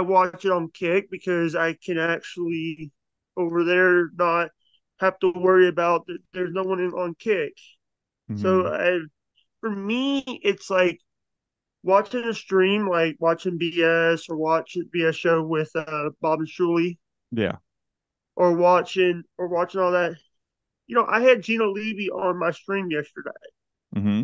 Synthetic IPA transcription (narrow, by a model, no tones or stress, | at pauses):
aɪwɑt͡ʃɨɾn̩kʰɪk̚b̥ɨkʰʌzaɪkʰɨ̃næk̚t͡ʃul̩ˠi | oʊvə˞ðə˞nət̚ | hæftəwɜ˞iɨbaʊt̪̚ðɨt̪̚ðə˞znoʊwʌ̃nɪ̃ŋə̃nkʰɪk | soʊa̰ɪ | fə˞miɪtslaɪk | wɑt͡ʃɪ̃ŋɨstɹ̥ĩmlaɪkwɑt͡ʃɪ̃ŋbiɛsə˞wɑt͡ʃɪ̃ŋviɛsʃoʊwɪð̥ʌbɑbn̩ʃulˠi | jæ̰ | ʔə˞wɑt͡ʃɪ̃ŋə˞wɑt͡ʃɪ̃ŋɔlˠðæt̚ | jɨnoʊʔa̰ɪɨd̚d͡ʒĩnəliviʔə̃nmaɪstɹ̥ĩmjɛstə˞dḛɪ | m̩m̥m̩